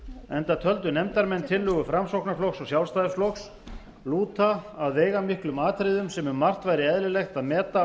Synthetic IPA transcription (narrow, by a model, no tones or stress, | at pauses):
ɛnt̪at̪ʰœlt̪ʏnɛmt̪aɾmɛnːt̪ʰɪlːʏːɣʏfɾamsowknaflowxksɔɣsjawlst̪ajðɪsfloxs | luːt̪aːðveːjɣamihklʏmaːt̪ʰɾɪðʏmsɛmʏmːar̥t̪vajɾɪɛðlɪlejxt̪aðmɛːt̪a